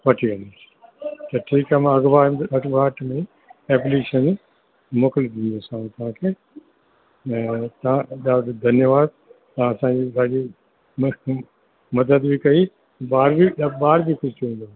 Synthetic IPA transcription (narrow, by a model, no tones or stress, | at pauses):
ʋɐʈʰiʋɐ̃nd̪os | t̪ɐʈʰiːkamãɐɡʋaːɐɡʋaːʈmẽ | eːpliʃən | moːkɪlid̪ĩːnd̪osãt̪ɐʋ̤ãːkʰeː | t̪ɐʋ̤ãɗad̪ʱɐnjəʋaːd̪̚ | t̪ɐãɐsãːɲd͡ʑiːsãːd͡ʑi | mɐd̪əd̪bʱikɐi | baːɾbiɓaːɾbikʊd͡ʑt͡ʃʋĩːnd̪o